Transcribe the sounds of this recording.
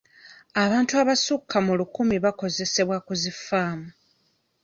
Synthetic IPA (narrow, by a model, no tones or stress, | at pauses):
aβaːntuaβasukʰːamulukumiβako̞ze̞se̞βwakuzifaːmu